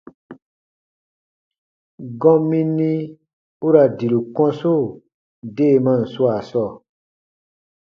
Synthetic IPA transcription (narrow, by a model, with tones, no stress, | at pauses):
ɡɔ̃˦mĩ˦nːĩ˦ | u˦ɾa˨di˨lu˨kɔ̃˦so˦˨ | de˦˨mã˦˨n̩˨su˦a˨sɔ˦˨